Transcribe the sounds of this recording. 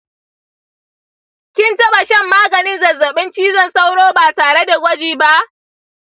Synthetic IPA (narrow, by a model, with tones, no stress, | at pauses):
kʲɪ˦ntɐ˦ɓa˨ʃɐ˦mːaː˦ɡɐ˨nɪ˦nzɐ˨zɐ˨ɓɪ˦nt͡ʃiː˦zɐ˦˨nsa˦wɽoː˦baː˨taː˨ɽe˦da˨ɡʷɐ˦d͡ʒiː˨ba˦ʔ